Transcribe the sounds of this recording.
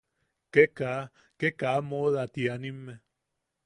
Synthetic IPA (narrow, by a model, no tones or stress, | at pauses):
keka | kekamoðat̪ianimːe